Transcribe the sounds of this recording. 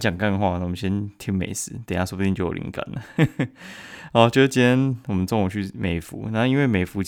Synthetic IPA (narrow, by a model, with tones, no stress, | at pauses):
t͡ɕjɑ˨˩ŋka˥˧nxwa˥˧na˥˩wɔ˨˩mə̃˦nɕjɛ˦˥nt̪ʰi˧˥ŋmḛ˨˩ɪsɹ̩˨˦t̪na˥swɔ˥u˧t̪i˥˧t͡ɕjo˥˩jo̰˨lḭ˧˥ŋka̰˥˧˩nlə˨˩ | ɔ˧˦t͡ɕo˧˥˩t͡ɕi˥nwɔ˨˩mə˦nt͡sɔ˥˧ŋo˨˩t͡ɕʰy˥˩me˨˩ɪfṵ˨˦na˥˧i˥nwe˥˩me˨˩ɪfu˧˥